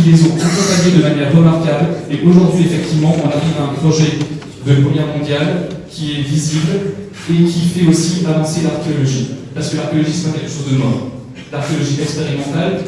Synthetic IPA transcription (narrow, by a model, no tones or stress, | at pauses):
lezɔ̃ɛ̃t̪ɔ̃t̪aed̪əmanjɛʁːəmaʁkableʔoʒuʁd̪ɥiefɛk̚t̪ivmɑ̃ʔɔ̃naʁivaɛ̃pχɔʒɛ | d̪əpχɔmjɛʁmɔ̃d̪jalkʲiɛvizibl | ekʲʰifɛosiavɔ̃selaʁkʲeɔlɔʒipaʁsə̥kəlaʁkʲeɔlɔʒisɛ̥pak̪ɛlkəʃozd̪əmɔ̃ | laʁkʲeɔlɔʒiɛkspeʁimɑ̃t̪al